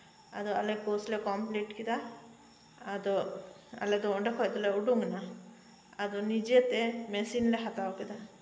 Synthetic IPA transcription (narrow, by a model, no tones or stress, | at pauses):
a̰d̪ɔalekoslekɔmpliʈkid̪a | ad̪ɔ | a̰led̪ɔɳɖekʰɔjd̪ɔleuɖuŋna | ad̪ɔnid͡ʒet̪emesinleɦat̪awkid̪a